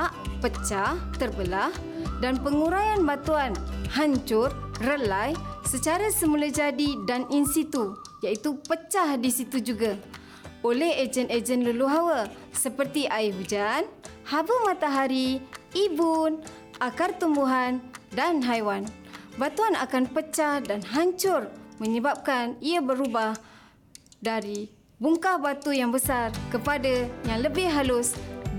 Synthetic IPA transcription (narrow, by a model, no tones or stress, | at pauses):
aʔpət͡ʃaht̪ərbəlah | danpəŋuɾajanbat̪uanhaɲt͡ʃʊrrəlajsət͡ʃaɾasəmulad͡ʒadidaninsit̪u | jait̪upət͡ʃahdisit̪ud͡ʒuɡa | olɛhed͡ʒəned͡ʒənluluɦawa | səpərt̪iʔaɪɦud͡ʒan | habəmãt̪aɦaɾiːbun | akart̪umbuɦandanɦajwan | bat̪uana̰kanpət͡ʃahdanɦaɲt͡ʃʊrmə̃ɲəbap̚kaniabəɾubah | daɾi | buŋkahbat̪ujaŋbəsarkəpadajaŋləbɪhɦalʊs